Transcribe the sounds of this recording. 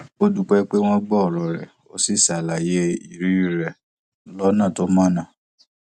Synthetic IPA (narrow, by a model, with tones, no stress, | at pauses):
o˦du˧k͡pɛ˦k͡pe˦w̃ɔ̃˦ɡ͡bɔ˦ɔ˨ɾɔ˨ɾɛ̰˨ | o˦si˦˨sa˨la˨je˦i˨ɾi˨˦i˦ɾɛ˨ | lɔ˦nã˦˨to˦mã˦˨nã˦˨